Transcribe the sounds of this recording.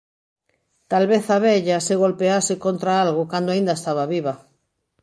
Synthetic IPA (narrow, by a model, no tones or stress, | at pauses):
t̪alβeθaβɛʎaseɣolpeasekont̪ɾaalɣokand̪oaĩnd̪aest̪aβaβiβa